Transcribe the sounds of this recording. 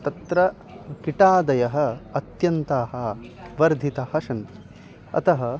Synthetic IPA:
t̪ɐt̪ɾɐ | kiʈaːd̪ɐjɐɦɐːt̪jɐnt̪aːɦɐʋɐɾd̪ʱit̪ɐhɐʃɐnt̪i̥ | ɐ̰t̪ɐɦɐ

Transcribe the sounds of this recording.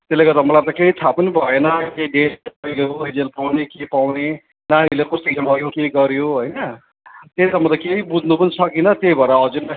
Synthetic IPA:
t̪elːeɡʌɾt̪ʌmʌlat̪ʌkeit̪ʰapʌnibʱʌjenʌkeiɖesepʌileoid͡zelpawnekepawne | naɽ̃ilekust̪isʌmʌjokeiɡʌɾjoɦojnʌ | t̪elt̪ʌmʌt̪ʌkeibud̪ʱnupʌnisʰʌkinʌt̪eibʱʌɾʌɦʌd͡zuɾma

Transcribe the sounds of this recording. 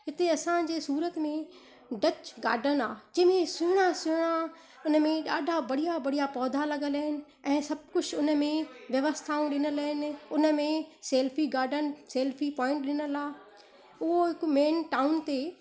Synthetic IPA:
ɦɪt̪eɐsãd͡ʑeːsuːɾət̪mẽ | ɖɐt͡ɕɡa̰ːɖʱənaːd͡ʑɐ̃ːmẽsʊɦʊɽ̃asʊɦʊɽ̃a | ʊnə̆mẽɗaːɖʱabɐɽijabɐɽ̤ijapɔːd̪ʱalɐɡəlɐɦɪnɪ̆ | ɛ̃ːsɐb̚kʊt͡ʃʰʊnə̆mẽʋjɐʋəst̪ʰaːũɗɪnəlɐɦɪnɪ̆ʊnəmẽseːlfiɡaːɾɖənseːlfipɔ̃ːɪ̃ɳʈɗɪnəlaː | ʊɦoɦɪkmeːnʈaːʊnt̪e

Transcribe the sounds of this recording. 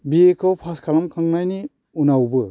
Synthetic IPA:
biekʰɔwpʰaskʰalamkʰɯŋnajni | unawbɯ

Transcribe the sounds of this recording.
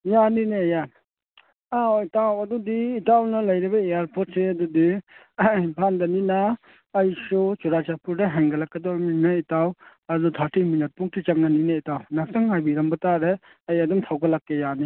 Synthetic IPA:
janineja | aitawɐd̪udiːtawnɐlɐjɾibɐeaɾpʰot̚seɐdudi | bʱandɐninaː | jsɔt͡ʃuɾat͡ʃapʰuɾdeɦɛŋɡɐlakːedɔɾminaitaw | ɐdutʰaɾtʰiminat̚puŋtʰit͡ʃaŋ̚nanineitawnak̚saŋajbiɾambɐtaɾe | ɐjɐdumtʰawɡalakːejani

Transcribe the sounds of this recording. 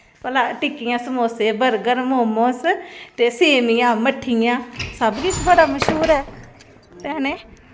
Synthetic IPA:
pəlaːʈɪkːɪjãːsəmoːseːbəɾɡəɾmoːmõːst̪eːseːmijãːməʈʰːijãːsəbɡiːt͡ʃbəɽaːməʃɦuːɾɛː | t̪ɛːnẽː

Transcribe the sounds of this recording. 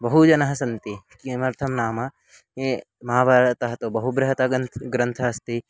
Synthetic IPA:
bɐɦud͡ʒɐnɐɦɐsɐnt̪ikiɐmɐɾt̪ʰɐmnaːmɐ | e | mɐaːʋaːɾɐt̪ɐɦɐt̪oːbɐɦubɾɐɦɐt̪ɐnɡɾɐnt̪ʰɐɐst̪i

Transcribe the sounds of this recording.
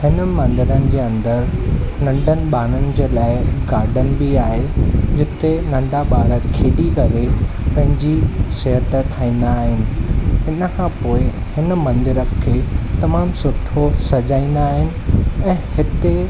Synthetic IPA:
hɪnə̆mɐ̃nd̪ɪɾənɪ̆d͡ʑeːɐ̃nd̪əɾnɐ̃ɳɖʱənɪ̆ɓaːnənɪ̆d͡ʑeːlaːɪɡaːɾɖənɪ̆bɪaːɦed͡ʑɪt̪enɐ̃ɳɖaɓaːɽət̪kʰeːɗikɐɾepɐ̃ɦɪ̃ɲd͡ʑiseɦət̪ʈʰaːĩːn̆d̪aːɦɪnɪ̆ɦɪnəkʰãːpoːɪ | hɪnə̆mɐ̃nd̪ɪɾəkʰːeːt̪ɐmaːmsʊʈʰosɐd͡ʑaːĩːn̆d̪aːɦɪnɪ̆ɛ̃ːhɪt̪e

